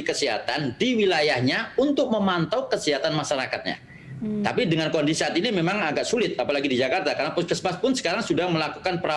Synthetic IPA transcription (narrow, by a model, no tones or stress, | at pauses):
kəsiɦa̰t̪andiwilajahɲaunt̪ʊk̚məmant̪awkəsiɦat̪anmaʃaɾakat̪̚ɲa̰ | t̪a̰pidəŋankɔndisiat̪inimemaŋaɡaʔsulɪt̪̚apalaɡidid͡ʒakart̪akarnapʊskəsbaspʊnsə̥kaɾaŋsudahməlakukanpəɾa